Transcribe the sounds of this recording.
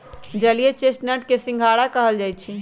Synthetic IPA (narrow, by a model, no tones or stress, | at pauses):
d͡ʒəlijet͡ʃesʈnəʈkesĩŋɡʱaɽakəɦəld͡ʒajt͡ʃʰi